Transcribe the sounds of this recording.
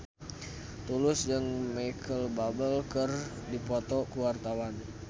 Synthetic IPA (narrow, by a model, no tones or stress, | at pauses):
t̪ulʊsd͡ʒəŋmaikʰəlbabəlkərdipɔt̪ɔkuwart̪awan